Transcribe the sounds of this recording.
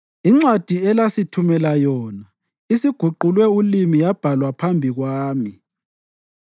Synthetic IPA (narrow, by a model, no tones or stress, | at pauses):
iŋ͡ǀwad̥ʱiɛlasitʰumɛlajɔːna | isiɡ̥ʱuǃulwɛulimijab̥ʱalwapʰambʱiɣwaːmi